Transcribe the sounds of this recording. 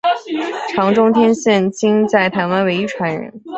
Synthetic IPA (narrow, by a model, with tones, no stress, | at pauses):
ʈ͡ʂʰɑ˧˥ŋʈ͡ʂʊ˥ŋt̪ʰjɛ˥nɕjɛ˥˩nt͡ɕi˥ŋt͡sa˥˩ɪt̪ʰa˧˥nwa˧˥nwe˧˥ɪy˥ʈ͡ʂʰwa˧˥nɻə̰˧˥n